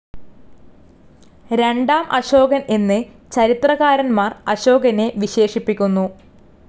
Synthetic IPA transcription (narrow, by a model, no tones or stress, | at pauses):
ɾe̞ɳɖaːmʔɐɕo̞ːɡɐne̞nːɨ | t͡ɕɐɾit̪rɐɣaːɾɐnmaːrɐɕo̞ːɡɐne̞ʋiɕe̞ːʂipːikʲːunːu